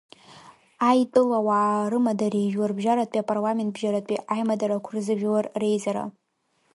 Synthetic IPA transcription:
ajtʼɨlawaːrɨmadarejʒwarbʒaɾatʷʼiapʼarlame̞nt̚bʒaɾatʼiʔajmadaɾakʷʰrɨzɨʒᶣalarre̞jzaɾa̰

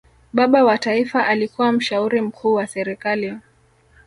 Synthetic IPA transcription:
ɓaɓawataifaʔalikuwam̩ʃauɾim̩kʰuːwasɛɾɛkaliɔ

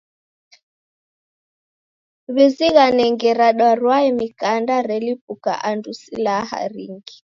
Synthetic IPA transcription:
βiziɣanɛŋɡɛɾaɗwaɾwaimikandaɾɛlip̚uka̰ʔandusilaha̰ɾiŋɡi

